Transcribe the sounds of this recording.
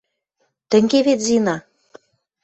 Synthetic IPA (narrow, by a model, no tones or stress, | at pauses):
t̪ə̆ŋɡeβet̪zinɑ